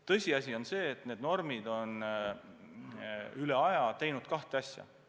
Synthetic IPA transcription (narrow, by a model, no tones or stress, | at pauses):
t̪ɤ̞sʲiɑs̬ʲio̞nse̞ːt̪ne̞ːd̪no̞rmid̪̥o̞n | yle̞ɑjɑt̪ejnud̪̥̚kɑht̪eɑsʲjɑ̰